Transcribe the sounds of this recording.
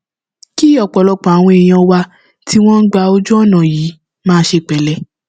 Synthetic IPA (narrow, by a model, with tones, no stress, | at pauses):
ki˦ɔ˨k͡pɔ˨lɔ˨˧k͡pɔ̃˨a˨w̃ɔ̃˧e˨j̃ã˧wa˧ | tʰi˦w̃ɔ̃˦n̩˦ɡ͡ba˧o˧d͡ʒu˦ɔ˦˨nã˨jiː˨˦ | mãː˦ʃe˧k͡pɛ˨˦lɛ˧˨